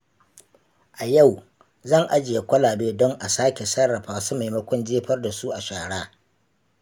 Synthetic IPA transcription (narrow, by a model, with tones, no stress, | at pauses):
ʔa˨ja˦˨w | zɐ˦˨ŋʔa˦d͡ʒɪ˨ja˨kʷɐ˦laː˨beː˦dɔ˦ŋʔa˨saː˦kʲe˨sɐ˦ɽɐ˨ɸaː˨˦su˦ma˨jmɐ˦kʷɔ˦nd͡ʒeː˦ɸɐ˦rda˨su˦ʔa˨ʃaː˨ɽaː˦